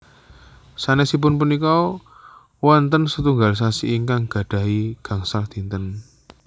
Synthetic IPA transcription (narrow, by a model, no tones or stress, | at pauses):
sanɛsip̬ʊnpunikɔ | wɔnt̪ənsət̪uŋɡals̬asiʔiŋkaŋɡ̥ä̤ɖ̪̥ä̤iɡ̥ä̤ŋsald̪̥i̤nt̪ən